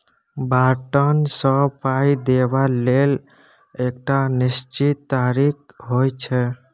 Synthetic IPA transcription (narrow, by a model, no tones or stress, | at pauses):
baʈənsəpajd̪ebalel | ek̚ʈanist͡ʃit̪ːaɾik | ɦojt͡ʃʰɛ